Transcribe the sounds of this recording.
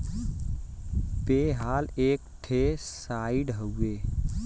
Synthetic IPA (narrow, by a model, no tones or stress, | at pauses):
peɦaːleːk̚ʈʰesaiɖɦəweː